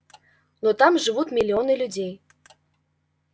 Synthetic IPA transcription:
not̪ɑmʒɨβut̪mʲilʲionɨlʲudʲej

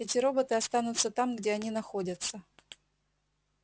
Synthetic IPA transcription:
ɛtʲɪɾo̞bət̪ɨɐst̪anʊt̪sət̪amɡdʲeɐnʲinɐxo̞dʲət̪sə

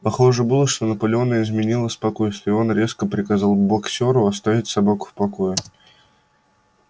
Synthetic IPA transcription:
pɐxo̞ʐɨbɨlˠəʂt̪o̞nəpəlʲɪo̞nəɪzmʲɪnʲilˠəspɐko̞jst̪vʲɪo̞nɾʲe̞skəpɾʲɪkɐzɑlˠbɐksʲo̞ɾʊɐst̪avʲɪtʲsɐbakʊ̥fpɐko̞jɪ

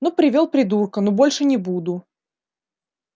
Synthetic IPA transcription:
nopɾʲɪvʲolˠpɾʲɪd̪urkənobolʲʂɨnʲɪbud̪ʊ

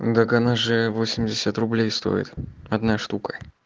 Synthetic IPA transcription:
d̪əkɐnaʐɨvosʲɪmʲdʲɪsʲət̪rʊblʲejst̪o̞̰jɪ̰t̪ɐd̪naʂt̪ukə̥

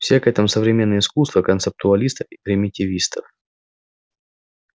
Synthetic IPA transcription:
fsʲekɛt̪əmsəvɾʲɪmʲenːəjəɪskust̪vəkənt̪sɨp̚t̪ʊɐlʲist̪əfipɾʲɪmʲɪtʲɪvʲist̪əf

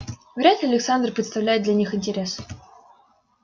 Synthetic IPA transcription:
vʲeɾʲat̪lʲɪɐlʲɪksand̪rpɾʲɪt̪st̪ɐvlʲæjt̪̚d̪lʲanʲixɪnʲtʲeɾʲes

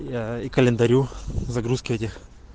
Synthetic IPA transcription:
aikəlʲɪnd̪ɐɾʲuzɐɡɾuskʲɪvətʲɪx

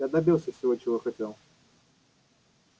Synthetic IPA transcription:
jad̪ɐbʲilˠsʲəfsʲɪvot͡ɕɪvoxɐtʲelˠ

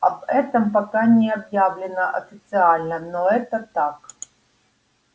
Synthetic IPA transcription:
ɐ̰bɛt̪əmpɐkanʲɪɐbjavlʲɪnəʔɐ̰fʲɪt̪sɨalʲnənoɛt̪ət̪ak

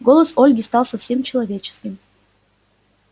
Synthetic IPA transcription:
ɡo̞lˠəso̞lʲɡʲɪst̪ɑlˠsɐfsʲe̞mt͡ɕɪlˠɐvʲet͡ɕɪ̥skʲɪm

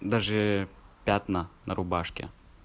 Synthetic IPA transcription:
d̪aʐɛpʲat̪nɐnʔɐɾʊbaʂkʲɛ̰

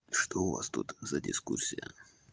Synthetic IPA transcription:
ʂt̪oʊva̰st̪ut̪zədʲɪskursʲɪjə

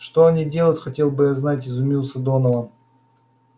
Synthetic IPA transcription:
ʂt̪oɐnʲidʲe̞lˠətʲxɐtʲe̞lˠbɨjaznatʲɪzʊmʲilˠsəd̪onəvə

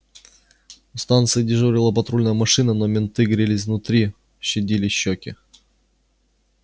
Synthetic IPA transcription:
ʊst̪ant̪sɨɪdʲɪʐɨɾʲɪlˠəpɐt̪ɾulʲnəjəmɐʂɨnənomʲɪnt̪ɨɡɾʲɪlʲɪzvnʊt̪ɾʲi | ɕːɪdʲilʲɪɕːokʲɪ

